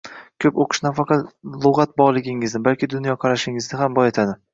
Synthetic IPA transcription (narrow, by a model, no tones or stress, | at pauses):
kʲʰɵpoqʰɨ̥ʃnafɑqʰɑt̪lˠoʁɑt̪̚bɒʁlˠɪɡʲɪŋɪznɪbalkʲɪd̪ʊnjɒqʰɑɾaʃɪŋɪzd̪ɪɦambɒjet̪ʰad̪ɪ